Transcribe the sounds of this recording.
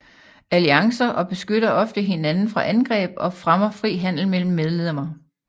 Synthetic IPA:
æliɑ̈ŋsɐʔɒ̽b̥e̝sɡ̥øɾ̥ɐʔɒ̽fd̥əɦe̝nænn̩fʁɑ̈ʔænɡ̥ʁɛ̰ːb̥ɒ̽fʁamɐfʁḭːɦæn̰l̩mel̰m̩ːeðˠleðemɐ

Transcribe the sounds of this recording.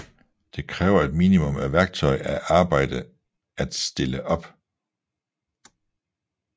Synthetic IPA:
d̥e̝kʰʁɛːʊɐe̝d̥miːnimɔ̽mæʋæɐɡ̥̚t͡sʰɒ̽ɪæʔɑ̈ːb̥ɑ̈ɪ̰d̥ə | æd̥sd̥e̝ləʔɒ̽b̥

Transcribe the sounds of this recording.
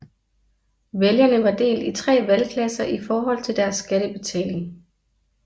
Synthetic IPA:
ʋeljɐnəʋɑ̈d̥e̝̰ːldit͡sʰʁɛ̰ːʋælkʰlæsɐʔifɒːɦɒ̽l̰t͡sʰe̝ld̥æɐsːɡ̥æɾ̥əb̥e̝t͡sʰɛ̰ːle̝ŋ

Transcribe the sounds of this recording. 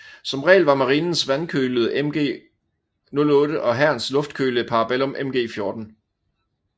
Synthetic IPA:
sɒ̽mʁɛ̰ːlʋɑ̈mɑ̈ʁiːnn̩sʋænkʰøːləð̩ˠʔemɡ̥e̝̰ː | nɔ̽lɔ̽ːɾəʔɒ̽ɦæɐ̰nslɔ̽fd̥̚kʰøːləpʰɑ̈ːɑb̥elɔ̽mʔemɡ̥e̝̰ːfjo̝ːd̥n̩

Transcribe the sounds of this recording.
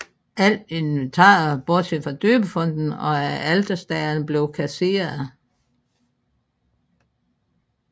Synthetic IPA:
ʔæl̰de̝nʋent͡sʰɑ̰̈ːɐb̥ɔɐd̥sʰefɒd̥øːb̥əfɔ̽n̰d̥n̩ɒ̽ææld̥ɐsd̥ɛɐnb̥le̝ʊkʰæse̝̰ːɐð̩ˠ

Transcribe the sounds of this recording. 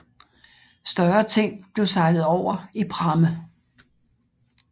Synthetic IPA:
sd̥ɶɐt͡sʰe̝ŋ̰b̥le̝ʊsɑ̈ɪlð̩ˠɒʊ̰ɐipʰʁɑ̈mə

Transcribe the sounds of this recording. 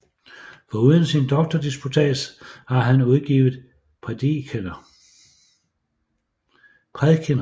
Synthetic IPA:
fɒ̽uðˠənsind̥ɒ̽ɡ̥̚d̥ɐd̥isb̥ut͡sʰɛ̰ːshɑ̈ɦænuðˠɡ̥ḭːʊð̞̩ˠ | pʰʁɛd̥ikʰenɐ | pʰʁɛðˠkʰenɐ

